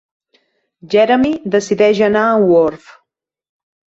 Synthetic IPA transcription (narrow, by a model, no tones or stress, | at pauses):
d͡ʒɛɾəmid̪əsiðɛʒənaəwoɾf